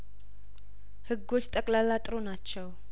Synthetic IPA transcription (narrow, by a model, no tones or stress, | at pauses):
hɨɡot͡ʃːt̪ʼəkʼlalːat̪ʼɨɾonat͡ʃːɛw